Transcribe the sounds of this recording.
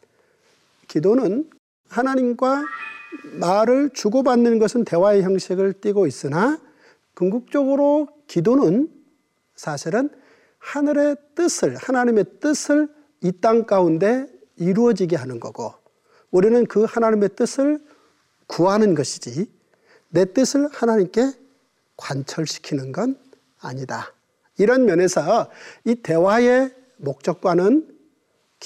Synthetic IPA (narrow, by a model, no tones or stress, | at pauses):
kidonɯn | hanaɲimɡwa | maɾɯɭt͡ɕuɡobanːɯnɡʌsʰɯnte̞waeçjʌŋɕʰiɡɯɭt͈iɡois͈ɯna | kɯŋɡuk̚t͡ɕ͈ʌɡɯɾo | kidonɯn | sʰaɕʰiɾɯn | hanɯɾe̞t͈ɯsʰɯɭhanaɲime̞t͈ɯsʰɯɭ | it͈aŋk͈aunde̞ | iɾuʌd͡ʑiɡeɦanɯnɡʌ̰ɡ̥o̰ | uɾinɯnkɯhanaɲime̞t͈ɯsʰɯɭ | kuanɯnɡʌɕʰi̥d͡ʑi | ne̞t͈ɯsʰɯɭhanaɲimk͈e̞ | kwant͡ɕʰʌɭɕʰi̥kʰinɯnɡʌn | a̰ɲida̰ | iɾʌnmjʌne̞sʰʌite̞wae̞ | mok̚t͡ɕ͈ʌk̚k͈wanɯn | k